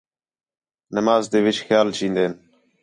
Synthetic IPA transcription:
nəmɑːzd̪evet͡ʃxjɑːlt͡ʃiːnd̪en

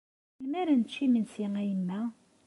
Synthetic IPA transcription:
lmæɾænt͡ʃːimənsiŋæjəmːæ

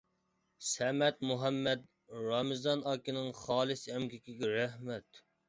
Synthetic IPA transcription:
sɛmɛt̪̚muɦɛmːɛd̪ | ɾɑmɨzɑnɑkʲinɪŋχɑːlˠɨsɛmkʲikʲiɡʲɛɾæhmɛt̪

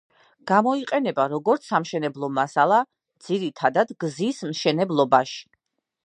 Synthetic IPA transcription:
ɡ̥amɔiqʼɛnɛbaɾɔɡɔɾt̪sʰːamʃɛnɛblˠɔmasalˠa | d̪z̥iɾit̪ʰad̪ad̪ɡzismʃɛnɛblˠɔbaʃi̥

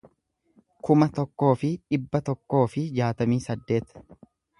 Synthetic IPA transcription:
kʊmɐt̪ɔkːo̞ːfɪᶑɪbːɐt̪ɔkːo̞ːfɪd͡ʒaːt̪ɐmiːsɐd̪ːe̞ːt̪

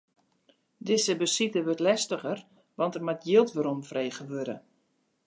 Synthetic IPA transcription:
dɪsəbəsitəʋørtlɛstəɣər | ʋɑntərmatjilˠtʋəɾomfreːɣəʋøɾə̰

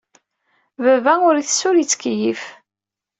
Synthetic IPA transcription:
vævæʊɾiθəsːʊɾit͡sːkjif

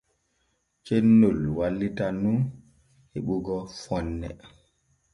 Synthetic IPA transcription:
t͡ʃenːulwalːitanun | heɓuɡɔfɔnːɛ̰

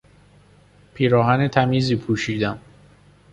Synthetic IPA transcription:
pʰiːɾɒːhænet̪ʰæmiːziːpʰuːʃiːd̪æm

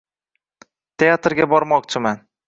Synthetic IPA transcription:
t̪ʰeat̪ɾɡʲabɒɾmɒkt͡ʃʰɪman

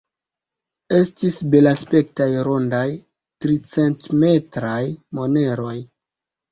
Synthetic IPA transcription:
e̞stisbe̞laspe̞k̚tajɾo̞ndaj | tɾit͡se̞ntme̞tɾajmo̞ne̞ɾo̞j

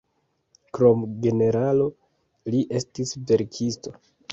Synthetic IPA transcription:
kɾo̞mɡe̞ne̞ɾalo̞ | liʔe̞stisve̞ɾkʰisto̞

